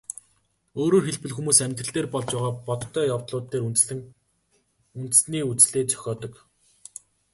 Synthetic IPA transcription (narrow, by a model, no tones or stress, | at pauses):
oːɾoːxeɮpɘ̆ɮxumuːsæmʲt̪rə̆ɬt̪eːrpɔɮt͡ɕpæːʁaːpɔt̪ʰːœːjawt̪ɮʊːt̪ːeːruɘ̆ŋ | unt̪̆sniːut͡sɮeːt͡sœ̥xʲɔːt̪ɞ̆k